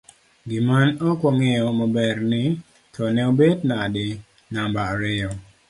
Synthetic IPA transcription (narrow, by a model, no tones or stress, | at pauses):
ɡɪmanɔkwɔŋejɔmɔbɛɾnɪ | tʰɔnɛobednadɪ | nambaːɾɪɔ